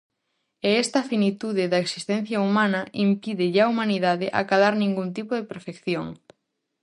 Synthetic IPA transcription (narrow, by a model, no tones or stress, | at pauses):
eɛst̪ɐfinit̪uðɪðɐeksi̥st̪ẽn̟θjɐumãnɐʔimpiðɪʎaumaniðaðɪʔa̰kaðaɾnĩŋɡunt̪ipoðepeɾfekθjoŋ